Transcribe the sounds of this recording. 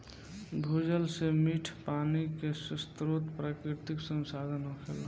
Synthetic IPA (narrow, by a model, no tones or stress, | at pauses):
d̪ʱud͡ʒəlsemiʈʰpaːnikesəst̪ɾot̪pɾaːkɾit̪iksə̃nsad̪ʱənɦokʰel